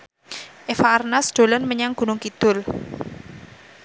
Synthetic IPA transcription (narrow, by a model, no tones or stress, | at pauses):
ʔefaːrnasd̪̥o̤lənməɲaŋɡ̥ṳnʊŋkid̪̥ʊ̤l